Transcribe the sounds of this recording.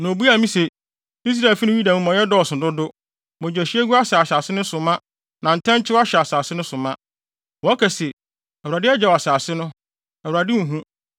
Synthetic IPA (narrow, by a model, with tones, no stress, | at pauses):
nõ˨bu˦a˨mĩ˦se˨ | i˦s̬ɾa˨fi˦nĩ˦wi˦dã˨mũ˨mɔ̃˨jɛ˦dɔ˦ɔ˨sʊ̃˨dʊ˦dʊ˦ | mʊ̃˨d͡ʑɛ˨ɕi˦ɛ˦ɡu˦a˦sa˨a˨saː˨sɪ˦nʊ̃˦sʊ˨mã˦ | nã˨n̩˨tʰɛ̃˦ɲ˦t͡ɕʰɪ˦wa˦ɕɛ˨a˨saː˨sɪ˦nʊ̃˦sʊ˨mã˦ | wɔ˨a˦kʰɛ˨se˨ | ɛ˨u˨a˨dɪ˦ɛ˦d͡ʑɛ˦wɔ˨a˨saː˨sɪ˦nʊ̃˦ | ɛ˨wu˨ɾa˨dɪ˦ŋ̩̃˨ɦũ˦